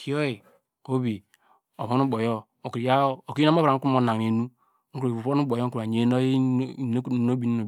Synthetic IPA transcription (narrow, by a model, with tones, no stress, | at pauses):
ki˨˦o˦i˨ | o˦bi˨ | o˨βo˦nu˦bo˨jo˦ | o˨ki˨ɾi˨ja˦o˨ki˦mo˦˨ɾa˨ŋ̩˦ku˦mo˨˦na˨ŋ˨e˨nu˦ | ŋ̩˦ku˨u˨o˦nu˦bo˨jo˦ŋ̩˦ku˨a˨ɲ˨e˨˦no˦˨n˦˨˦no˦bi˨n˦o˨